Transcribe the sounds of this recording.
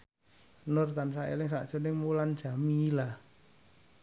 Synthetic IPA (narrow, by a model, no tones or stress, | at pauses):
nʊrt̪ansaʔḛlɪŋsaʔt͡ʃonɪŋmuland̥ʒ̥a̤mila